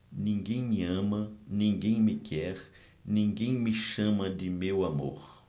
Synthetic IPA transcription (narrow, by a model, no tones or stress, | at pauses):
nĩŋɡẽj̃miɐãmɐnĩŋɡẽj̃mikʰɛɾ | nĩŋɡẽj̃miʃɐ̃mɐd̪ɪmewamo̰ɾ